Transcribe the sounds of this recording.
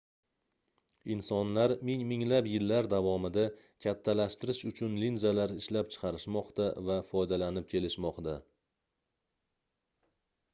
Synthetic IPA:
ɪnsɒnlaɾmɪŋmɪŋlapjɪlːaɾd̪avɒmɪd̪a | kʲʰat̪ʰːalaʃt̪ɪɾɪʃʊt͡ʃʰʊnlinzalaɾɪʃlap̚t͡ʃʰɨ̥qʰɑɾɪʃmɒqt̪avafɒjd̪alanɪp̚kʲʰe̞lɪʃmɒqt̪a

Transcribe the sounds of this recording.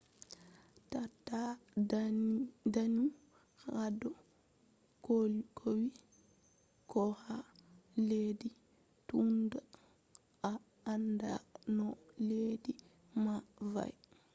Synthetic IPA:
tatːa | danu | hadɔ | kolkʰowi | kɔhaledi | tunda | aː | ndanɔleːdi | mava̰j

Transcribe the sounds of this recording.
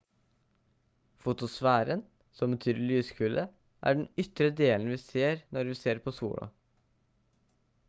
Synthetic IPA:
fʊt̪ʊsʋæːɾən | sɔmbət̪ʰyːɾɭyːskʰʉːlʔə | ʔæ̰ːɖɳnʏt̪ɾəd̪eːln̩ʋiːseːɾnɔɾʋiːseːɾpʰosṵːɽɑ̰

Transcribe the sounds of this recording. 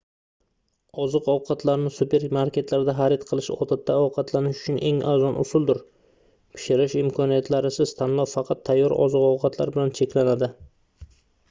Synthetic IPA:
ɒzɨqɒwqʰɑt̪ʰlaɾnɪsupe̞ɾmaɾkʲʰe̞t̪laɾd̪aɦaɾɪt̪qʰɨlˠɪʃɒ̰t̪at̪ːaɒwqʰɑt̪ʰlanɪʃʊ̥t͡ʃʰʊnʔe̞ŋazɒnʔʊ̰sʊlˠd̪ʊɾ | pʰɪ̥ʃɪɾɪʃɪmkʰɒnijat̪ʰlaɾɪsɪzt̪ʰanlˠɒwfɑqʰɑt̪ʰːajːɒɾɒ̰zɨqɒwqʰɑt̪ʰla̰ɾbɪlant͡ʃʰe̞kʲlanad̪ɪ

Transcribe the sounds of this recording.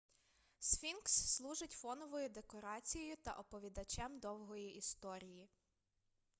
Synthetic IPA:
sfʲinksːlˠuʒɪtʲfɔnɔʋɔjʊd̪ekɔɾɑt͡sʲijɔjʊt̪ɐ̰ʔɔpɔʋʲid̪ɐt͡ʃɛmd̪ɔwɦɔjiʔist̪ɔɾʲiji

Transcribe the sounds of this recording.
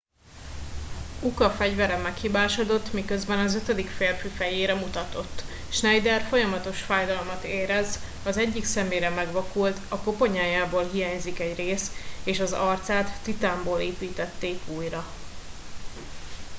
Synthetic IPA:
ukɒfɛɟvɛɾɛmːɛkhibaːʃod̪o̞t̪ːmikø̞zbɛnɒzøt̪ød̪ikfeːrfyfɛjeːɾɛmut̪ɒt̪o̞t̪ː | ʃnɛjd̪ɛrfo̞jɒmɒt̪o̞ʃfaːjd̪ɒlmɒt̪eːɾɛz | ɒzɛɟːiksɛmːeːɾɛmɛɡʋɒkult̪ɒko̞po̞ɲaːjaːboːlɦijaːɲzikɛɟreːseːʃɒzɒrt̪saːt̪ːit̪aːmboːleːpiːt̪ɛt̪ːeːkuːjrɒ

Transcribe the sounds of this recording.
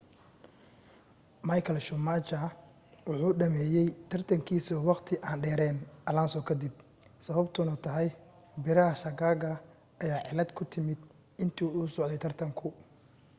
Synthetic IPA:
mɐjkʰɐlʃʊmaːt͡ʃɐ | wʊħuːɖɐmɛːjɛjt̪ʰɐrt̪ʰɐŋkʰiːsɔwɑqt̪ʰɪʔaːnɖɛːɾɛːnʔɐlaːnsɔːkʰɐd̪ɪb̚ | sɐβɐbt̪ʰʊnɐt̪ʰɐɦɛj | bɪɾɐɦɐʃɐɡaːɡɐ | ʔɐjaːʕɪlɐd̪kʰʊt̪ʰɪmɪd̪ | ɪnt̪ʰiuːsɔʕd̪ɛjt̪ʰɐrt̪ʰɐŋkʰʊ

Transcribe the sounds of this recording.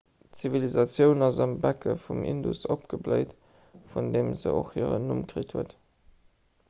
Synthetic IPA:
t͡sivilizɑt͡sjəʊnɑzɑmbækʰəfumʔḭndusopɡ̥əbləɪt | fundeːmzə̰o̰χhḭəʁənumkʁitʰhuət

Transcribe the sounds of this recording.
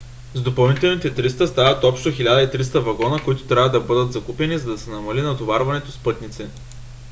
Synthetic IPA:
zd̪opɐlˠnit̪ɛlˠnit̪ɛt̪ɾist̪əst̪avɐt̪ɔpʃt̪oxilʲad̪əit̪ɾist̪əvɐɡɔnəkʊit̪ʊ̥t̪ɾʲavəd̪ɐbɤd̪ət̪zɐkupɛnizɐd̪ɐsɛnɐmɐlinɐt̪ovaɾvɐnɛt̪ospɤt̪nit̪sɛ

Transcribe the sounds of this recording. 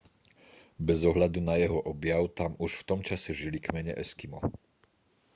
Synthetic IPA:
bɛzɔɦʎad̪unajɛɦɔʔɔbjaʊt̪amuʃft̪ɔmt͡ʃasɛʒilikmɛɲɛ̰ʔɛskimɔ̰

